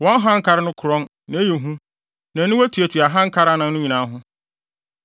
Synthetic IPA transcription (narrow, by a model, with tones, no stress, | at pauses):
wɔ̃˦n˦ɦã˦ŋ̩˦kʰa˦ɾɪ˦nʊ̃˦kʰʊ˨ɾɔ̃˦n | nã˨e˦je˨ɦũ˦ | nã˨nɪ̃˦wæ˦tʰu˨æ˨tʰu˨a˨ɦã˦ŋ̩˦kʰa˦ɾa˦nã˨n˦nʊ̃˦ɲĩ˨nã˨˦ɦʊ̃˦